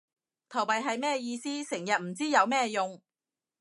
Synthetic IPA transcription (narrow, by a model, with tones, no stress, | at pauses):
t̪ʰɐ˨˩wpɐ˨jɦɐ˨jmɛː˥jiː˧siː˥sɪ˨˩ŋjɐ˨t̚m̩˨˩t͡siː˥jɐ˨˧wmɛː˥jʊ˨ŋ